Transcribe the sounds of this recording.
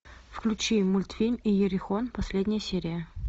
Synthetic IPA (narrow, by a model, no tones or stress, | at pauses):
fklʲʉt͡ɕimʊlʲt̪fʲilʲmijɪɾʲɪxonpɐsʲlʲedʲnʲɪjəsʲeɾʲɪjə